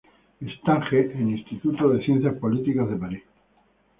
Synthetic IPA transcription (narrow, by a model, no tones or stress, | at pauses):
est̪aŋxeʔenĩst̪it̪ut̪oðeθjen̟θjaspolit̪ikazðepaɾis